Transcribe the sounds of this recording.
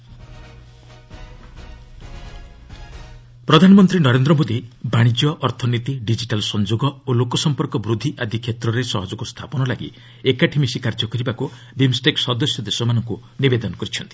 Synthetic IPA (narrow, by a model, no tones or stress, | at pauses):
pɾɔd̪ʱanɔmɔnt̪ɾinɔɾend̪ɾɔmod̪ibaɽ̃id͡ʒjɔʔɔɾt̪ʰɔnit̪iɖid͡ʒiʈalsɔnd͡ʒoɡɔolokɔsɔmpɔɾkɔbɾud̪ʱːiʔad̪ʱikʰːjet̪ɾɔɾesɔ̰ɦɔd͡ʒɔkust̪ʰapɔnɔlaɡḭ | ekaʈʰimisikaɾd͡ʒɔkɔɾibaku | bimsʈeksɔd̪ɔsjɔd̪esɔmanɔŋku | nibed̪ɔnɔkɔɾit͡ʃʰɔnt̪i̥